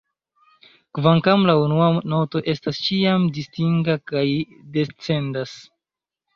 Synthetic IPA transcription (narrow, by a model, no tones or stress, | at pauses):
kvaŋkamlaunuano̞to̞ʔe̞stast͡ʃiamdistiŋɡakaj | de̞t͡se̞ndas